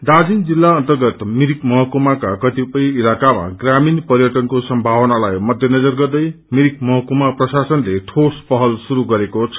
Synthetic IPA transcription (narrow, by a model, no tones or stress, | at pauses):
d̪ad͡zind͡zilːaʌnt̪ʌrɡʌt̪miɾikmʌɦʌkumakakʌt̪ipʌjilakama̰ɡraminpʌɾjʌʈʌnkosʌmbʱawʌnalajmʌd̪ʱjʌnʌd͡zʌrɡʌrd̪ʌj | miɾik̚mʌɦʌkumaprʌsasʌnleʈʰospʌɦʌlsuɾuɡʌɾekot͡sʰʌ̥